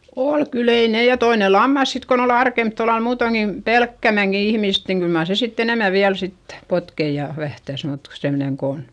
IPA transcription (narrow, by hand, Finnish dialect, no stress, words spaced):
ol kyl ei ne jɑ toine lɑmːɑs sit kon ol ɑrkemp tolːɑl muːtoŋki pelkːæmæŋki ihmist niŋ kyl mɑr se sitː enemæ ʋiæl sitːe̥ potkei jɑ ʋæhtæs mut semneŋ ko on